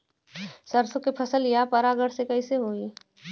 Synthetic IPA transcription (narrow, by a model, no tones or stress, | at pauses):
səɾsʊkepʰəsəljapɐɾaɡəɽsekɐiseɦoːiː